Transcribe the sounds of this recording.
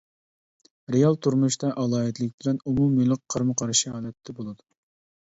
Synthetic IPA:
ɾejɑlˠt̪ʰuɾmuʃt̪ɑʔɑlˠɑːɨt̪lɪkʲbɪlɛnumumilˠɨq̚qʰːəɾmɨqʰɑɾɨʃiɦɑːlˠɛt̪ʰːɛbolˠɨd̪u

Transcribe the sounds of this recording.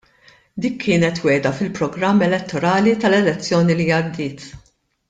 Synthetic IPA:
d̪iːkʰːɪːnɛt̪wɛːd̪ɐfɪlpɾɔɡɾɐmːɛlɛt̪ːɔɾɐːlit̪ɐlɛlɛt͡sːjɔːnilijɐɾd̪ɪːt̪

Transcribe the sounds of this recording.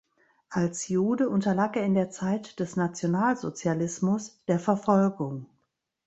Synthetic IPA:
ʔalsjuːdəʔʊntɐlaːkeːɐɪndeːɐt͡saɪtd̥ɛsnat͡sjonaːlzot͡sjalɪsmʊsd̥eːɐfɛɐfɔlɡʊŋ

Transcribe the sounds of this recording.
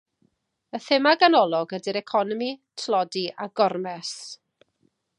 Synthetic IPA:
əθɪmaɡanɔlˠɔɡədiɾɛkʰɔnɔmitʰlˠɔdiʔaɡɔrmɛs

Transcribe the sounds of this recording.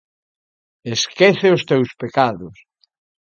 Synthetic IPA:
eskeθeʊst̪ewspekaðʊs

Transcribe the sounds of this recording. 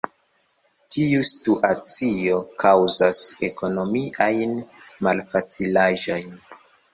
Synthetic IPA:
tʰiustuʔat͡sio̞kʰawzase̞ko̞no̞miʔajn | malfat͡silaʒo̞jn

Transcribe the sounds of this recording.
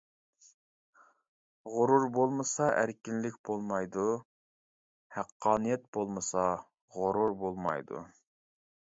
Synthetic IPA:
ʁʊɾuɾbolˠmɨsɑʔæɾkʲinlɪkʲbolˠmɑjd̪u | hæqʰːɑːnɨjɛt̪̚b̥olˠmɨsɑ | ʁʊɾʊɾbolˠmɑ̰jd̪ṵ

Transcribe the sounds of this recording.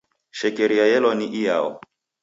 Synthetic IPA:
ʃɛkeɾiajɛlɔniʔija̰ɔ̰

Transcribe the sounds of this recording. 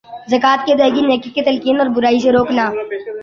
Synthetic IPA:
zɐkaːt̪ked̪ɐɦɡineːkikːet̪ɐlkiːnɔːɾbʊɾaːis̬eɾoːknaː

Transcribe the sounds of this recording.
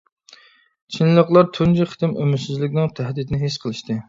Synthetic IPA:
t͡ʃʰinlˠəqlˠɑɾt̪ʰund͡ʒiχə̥t̪ɪmʔømɪsɪzlɪkʲnɪŋt̪ʰæɦd̪ɪt̪nɪɦesqʰəlˠɨʃt̪ɨ

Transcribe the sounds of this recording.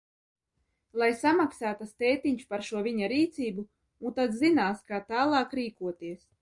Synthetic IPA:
lˠajsamaksaːt̪ast̪ɛːt̪iɲspaɾʃuɔvʲiɲaɾiːt̪siːbu | unt̪ad̪zinaːskaːt̪aːlˠɑːkɾiːkuɔt̪iɛs

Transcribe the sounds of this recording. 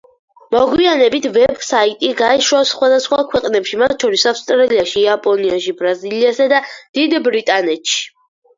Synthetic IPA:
mɔɡwianɛbit̪ʰvɛbsait̪ʼiɡaɛʃwasχwad̪asχwakʰwɛqʼnɛpʃimat̪ʰʃɔɾisafst̪ʼɾaliaʃiapʼɔniaʃibɾaziliasad̪ad̪̥id̪bɾit̪ʼanɛt̪ʰʃi̥

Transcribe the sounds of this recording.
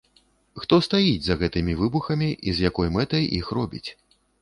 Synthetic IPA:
xt̪ɔst̪ajid͡zʲzɐɣɛt̪ɨmʲivɨbuxɐmʲiʔizjakɔjmɛt̪ɐjixrɔbʲḭt͡sʲ

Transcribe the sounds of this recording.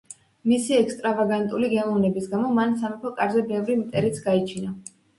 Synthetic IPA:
misiɛkst̪ʼɾavaɡant̪ʼuliɡɛmɔvnɛbisɡamɔmansamɛpʰɔkʼaɾzɛbɛvɾimt̪ʼɛɾit̪sʰɡait͡ʃʰina

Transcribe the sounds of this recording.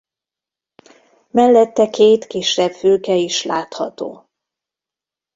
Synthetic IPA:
mɛlːɛt̪ːɛkeːt̪kiʃːɛbføːkɛiʃlaːt̪hɒt̪o̰ː

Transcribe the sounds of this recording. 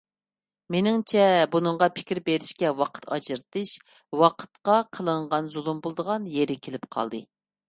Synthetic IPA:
menɪŋt͡ʃʰɛbunɨŋʁɑpʰɪ̥kʲɾbeɾɪʃkʲɛwɑqʰə̥t̪ʰɑd͡ʒɨɾt̪ɨʃ | wɑqʰə̥t̪qɑqʰəlˠəɴʁɑnzulˠumbolˠd̪əʁɑnjeɾɪkʲʰelɪpqʰɑ̰lˠd̪ɨ

